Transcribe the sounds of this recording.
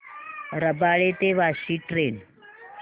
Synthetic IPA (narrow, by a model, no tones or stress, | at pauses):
ɾəbaɭet̪eʋaɕiːʈɾen